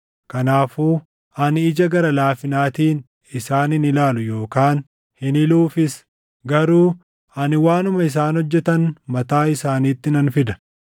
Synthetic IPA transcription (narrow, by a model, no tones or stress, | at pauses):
kɐnaːfuː | ʔɐnɪɪd͡ʒɐɡɐɾɐlaːfɪnaːt̪iːn | ɪsaːnɪnɪlaːlʊjo̞ːkaːn | hɪnɪluːfɪs | ɡɐɾuː | ɐnɪwaːnʊmɐɪs̬aːnhɔd͡ʒːɛt̪ɐnmɐt̪aːɪsaːniːt̪ːɪnɐnfɪd̪ɐ̥